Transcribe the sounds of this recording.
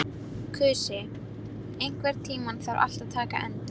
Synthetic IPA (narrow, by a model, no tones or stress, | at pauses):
kʰʏːsɪ | ejŋ̥kvɛɾt̪ʰiːmanθawɾʔa̰l̥t̪aðt̪ʰaːka̰ʔɛnt̪a